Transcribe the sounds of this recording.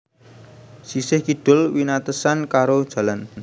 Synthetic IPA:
sisɪhkiɖ̥ʊ̤lwinat̪əsankaɾod̥ʒ̥a̤lan

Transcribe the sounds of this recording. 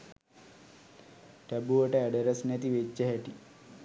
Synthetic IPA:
ʈæbuʋəʈəæɖeɾɐsnɛt̪iʋet͡ʃːəɦɛʈi

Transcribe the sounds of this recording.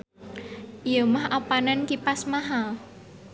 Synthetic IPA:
ʔijɔmahʔapanankipasmaɦa

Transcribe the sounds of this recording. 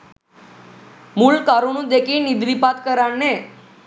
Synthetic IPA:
mulkaɾonũd̪ekʰinid̪ʋipat̪kəɾaɳne

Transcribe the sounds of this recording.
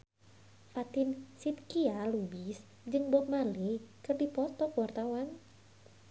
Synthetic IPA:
fat̪ɪnsit̪̚kialubis | d͡ʒɨŋbop̚malikərdipɔt̪ɔkwart̪awan

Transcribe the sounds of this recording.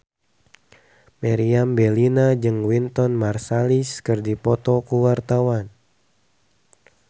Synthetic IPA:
maɾiambɛlinad͡ʒɨŋwint̪ɔnmarsaliskɨrdipɔt̪ɔkuwart̪awan

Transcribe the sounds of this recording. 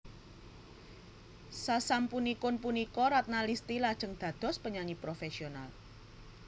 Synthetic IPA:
sasampunikʊnpunikɔɾat̪̚nalist̪ilad̥ʒ̥ə̤ŋd̪̥ä̤d̪̥ɔ̤spəɲaɲipɾofesional

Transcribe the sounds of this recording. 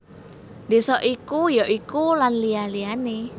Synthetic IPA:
desɔʔikujɔʔikulanlialiane

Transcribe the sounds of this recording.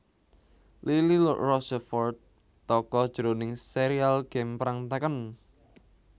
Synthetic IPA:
lililrɔsɛfɔrt̪ː | ɔkɔd̥ʒ̥əɾonɪŋseɾialɡ̥ɛmpɾaŋt̪akən

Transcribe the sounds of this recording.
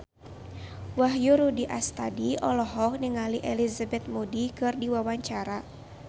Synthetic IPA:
waɦjuɾudiʔast̪adiʔɔlɔɦɔk̚niŋaliʔɛlizabɛt̪̚mudikɨrdiwawaɲt͡ʃaɾa

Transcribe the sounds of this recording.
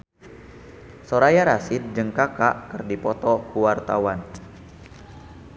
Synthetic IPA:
soɾajaɾasɪt̪̚d͡ʒɨŋkakaʔkɨrdipɔt̪ɔkuwart̪a̰wan

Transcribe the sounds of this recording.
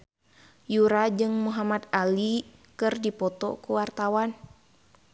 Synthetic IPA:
juɾad͡ʒɨŋmuɦamat̪alikɨrdipɔt̪ɔ̰kuwart̪awan

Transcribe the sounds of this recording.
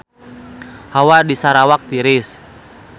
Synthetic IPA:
hawadisaɾawak̚t̪iɾis

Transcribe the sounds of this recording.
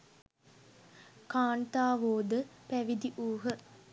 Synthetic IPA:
kaːnt̪aːʋoːd̪əpæʋid̪iʔuːɦə

